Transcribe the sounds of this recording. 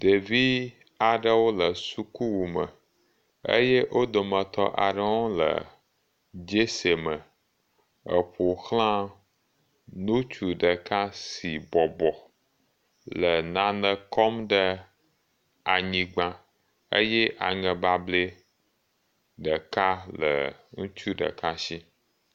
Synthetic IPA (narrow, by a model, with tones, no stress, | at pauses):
ɖ̥e˨vi˦ | a˨ɖə˦wo˦lə˨su˦ku˦wu˨mə˨ | ə̰˦je˦ʔo˦d̪o˨mə̃˨t̪ɔ̰˦ʔa˨ɖɔ˦ɔ˦lə̰˨ | d͡ʒe˦se˨mə̃˨ | ə̰˨ɸo˨xl̃ã˦ | nũ˦t͡ʃu˨ɖə˨ka˦si˨bɔ˨bɔ˨ | lə˨nã˨nə̃˨kɔ˦mɖə˦ | a˨ɲĩ˨ɡ͡bã˦ | ə̰˦jɛ˦ʔa˨ŋə̃˨ba˦ble˦ | ɖə˨ka˦lə̰˨ŋũ˦t͡ʃu˦ɖə̰˨ka˦ʃi˦